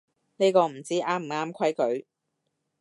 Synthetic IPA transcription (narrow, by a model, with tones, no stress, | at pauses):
ne˥kɔː˧m̩˨˩t͡siː˥ʔaː˥m̩˨˩aː˥mkʰɐ˥jkɵ˨˥ɥ